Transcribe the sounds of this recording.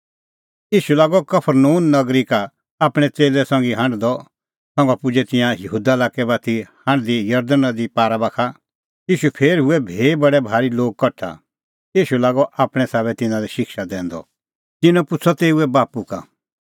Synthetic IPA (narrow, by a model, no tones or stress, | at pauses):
iːʃulaːɡɔkɐpʰəɾnuːnːɐɡɾika | aːpɽ̃ɛt͡seːlɛsɔ̃ŋɡiɦãɳɖd̪ɔ | sɔ̃ŋɡɔpʊd͡ʒɛt̪ɪ̃jãjɐɦuːd̪alaːkɛbaːt̪ʰihɐ̃ɳɖd̪ijɐɾd̪ənãd̪ipaːɾabakʰa | jiːʃupʰeːɾɦʊɛbʱeːbɐɽɛbʱaːɾiloːɡ̚kɔʈʰːa̰ | jiːʃulaːɡɔʔaːpɽ̃ɛ̃saːβɛt̪ɪ̃nãliʃɪkʃad̪ɛ̃ːnd̪ɔ̰ | t̪ɪnɔ̃pʊt͡sʰɔt̪eːuɛbaːpuka̰